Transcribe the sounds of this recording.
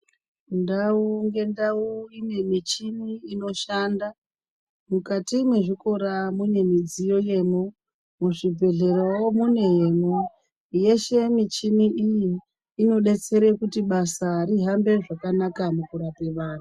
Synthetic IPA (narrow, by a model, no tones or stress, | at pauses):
ndauŋɡe̞ndauine̞mit͡ʃimiino̞ʃanda | mukatimwe̞ʐiko̞ɾamune̞mid͡zijo̞je̞mo | muʐibʱe̞ɮe̞ɾowomune̞je̞mo | je̞ʃe̞mit͡ʃimiʔijiː | no̞ɗe̞t͡se̞ɾe̞kutiɓasaɾiɦambe̞ʐakanakamukuɾape̞ʋaːn̤a